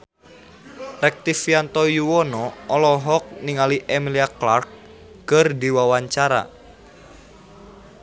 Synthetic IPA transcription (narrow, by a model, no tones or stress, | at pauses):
rɛk̚t̪ifiant̪ɔjuwɔnɔɔlɔɦɔk̚niŋaliʔemiliaklark̚ː | ərdiwawaɲt͡ʃaɾa̰